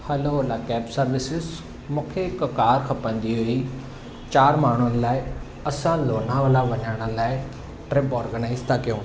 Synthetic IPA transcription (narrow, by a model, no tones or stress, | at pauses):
həloːoːlaːkɛːpsəɾʋɪsɪz | mʊkʰekkaːɾkʰəpə̃ːnd̪iːɦoːiː | t͡ʃaːɾmaːɳ̃ʊənlaːi | əsãːloːnãːʋaːlaːʋənaːɽ̃aːlaːi | ʈɾɪpɔːɾɡənaːizt̪ãːkjõː